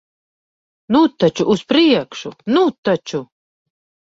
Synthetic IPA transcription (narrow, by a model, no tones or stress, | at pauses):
nut̪ːat͡ʃuʔːspɾiɛkʃunut̪ːat͡ʃu